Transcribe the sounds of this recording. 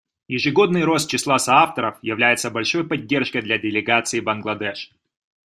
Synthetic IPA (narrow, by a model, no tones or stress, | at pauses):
jɪʐɨɡo̞d̪nɨjɾo̞st̪̚t͡ɕɪslˠasɐaft̪əɾəfjɪvlʲæjɪt̪səbɐlʲʂo̞jpɐdʲːe̞rʂkəjd̪lʲɐdʲɪlʲɪɡat̪sɨɪbɐnɡlˠɐd̪ɛʂ